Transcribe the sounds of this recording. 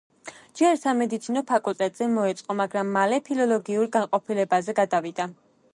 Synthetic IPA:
d͡ʒɛɾsamɛd̪it̪sʰinɔpʰakʼulˠt̪ʼɛt̪ʼz̥ɛmɔɛt̪sʼqʼɔmaɡɾamːalɛpʰilɔlˠɔɡiuɾɡanqʼɔpʰilɛbazɛɡad̪avid̪a

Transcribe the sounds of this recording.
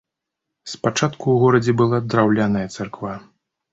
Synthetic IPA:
spat͡ʂat̪kuwɣɔɾɐd͡zʲɛbɨlˠad̪ɾawlʲanɐjɐt̪sarkva

